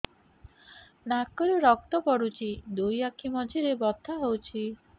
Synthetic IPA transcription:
nakɔɾuɾɔk̚t̪ɔpɔɽut͡ʃʰid̪ujakʰimɔd͡ʒʱiɾebɔt̪ʰːaɦowt͡ʃʰi

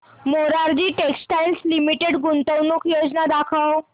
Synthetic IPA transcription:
moɾaɾd͡ʑiːʈeksʈajlslimiʈeɽɡunt̪əwnukjod͡znad̪akʰəw

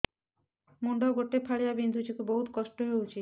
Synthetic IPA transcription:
moɳɖɔɡoʈːepʰaɭijabind̪ʱut͡ʃikuboɦut̪kɔʃʈoɦewt͡ʃʰi

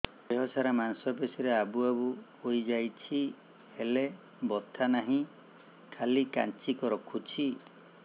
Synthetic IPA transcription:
eɦɔsaɾamansɔpesiɾeabuabuhojd͡ʒajt͡ʃʰi | hele | bɔt̪ʰanaɦĩ | kʰalika̰nt͡ʃikɔɾɔkʰut͡ʃʰi

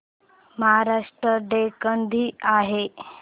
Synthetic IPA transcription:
məɦaɾaʂʈɾəɖekənd̪ʱiːaɦe

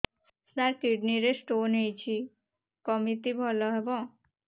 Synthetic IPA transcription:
snaɾkiɖniɾesʈonɦejt͡ɕʰi | kɔmit̪ibʱɔlɔɦebɔ̃

